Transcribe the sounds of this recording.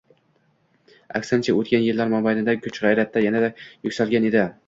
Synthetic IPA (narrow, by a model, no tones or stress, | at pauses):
a̰kʲsant͡ʃʰaot̪̚kʲanjɪlːaɾmambajnɪd̪akʲʰɵt͡ʃʁɑjɾat̪ʰːajanad̪ajʊkʲsalɡʲane̞d̪ɪ